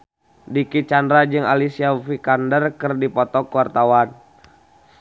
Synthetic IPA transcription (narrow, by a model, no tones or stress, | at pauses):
dikit͡ʃandɾad͡ʒɨŋa̰lisiafikandərkɨrdipɔt̪ɔkuwart̪awan